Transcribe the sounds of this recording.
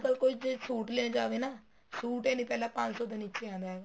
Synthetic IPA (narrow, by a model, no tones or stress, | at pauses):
kəlkoid͡ʒesuːʈleːñːd͡ʒaːʋeːnaː | suːʈeːnĩːpɛːlaːpãɲd͡ʒsɔːd̪aniːt͡ʃeːãːnd̪aːɦɛːɡaː